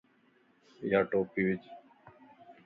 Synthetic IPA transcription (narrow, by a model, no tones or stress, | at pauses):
jaːʈoːpiːʋɪt͡ʃ